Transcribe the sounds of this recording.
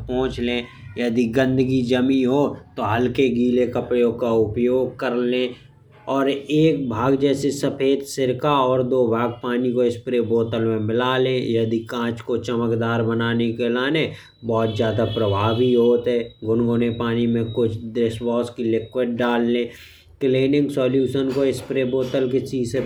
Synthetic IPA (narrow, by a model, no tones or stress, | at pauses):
pɔ̃ːt͡ʃlẽ | jəd̪iɡə̃nd̪əɡid͡ʒəmĩɦot̪oɦəlkeɡiːlekəpɽekaʊpjoːɡ̚kəɾlẽː | ɔːɾeːk̚bʱaːɡd͡ʒɛːsesəpʰeːd̪sɪɾkaɔːɾd̪oːbʱaːɡ̚paːnikoɪspɾeboːt̪əlmẽmɪlaːlẽjɐd̪ikãːt͡ʃkot͡ʃəməkd̪aːɾbənaːnekelaːne | bɔːt̪zjaːd̪apɾəbʱaːbiɦoːt̪ɦɛːɡʊnɡʊnepaːnimẽkʊt͡ʃʰd̪ɾɪsbɔːskilɪkwɪɖ̚ːaːlːẽː | kleːnɪ̃ŋɡsɔːljuːʃənkoɪspɾeːboːt̪əlket͡ʃiːse